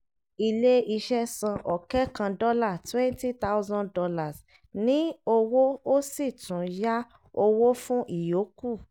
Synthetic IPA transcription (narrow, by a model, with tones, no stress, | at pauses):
i˧˨le˦i˧ʃɛ˦sã˧ʔɔ˨kɛ˦kã˧dɔ˦la˦˨twɛ̃˦n˦ti˦t̪a˦u˦zɔ̃˦dɔ˧la˨s | nĩ˨˦o˧wo˦o˦si˦˨tũ˨ja˦ | o˧wo˦fũ˦ʔi˦˨jo˨˦ku˦˨